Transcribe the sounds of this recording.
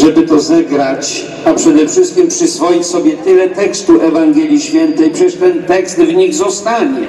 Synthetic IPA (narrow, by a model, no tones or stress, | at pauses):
ʐɛbɘt̪ɔzɛɡɾat͡ɕ | apʂɛd̪ɛfʂɘst̪̚kʲimpʂɘsfɔjit͡ɕsɔbʲjɛt̪ɘlɛt̪ɛkst̪uʔɛvaŋɡʲɛlʲjiɕfʲjɛnt̪ɛjpʂɛɛʂt̪ɛnt̪ɛkst̪vɲiɣzɔst̪aɲɛ